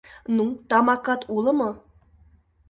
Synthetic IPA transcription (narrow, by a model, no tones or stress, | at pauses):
nut̪ɑmɑkɑt̪ulˠɤ̆mɤ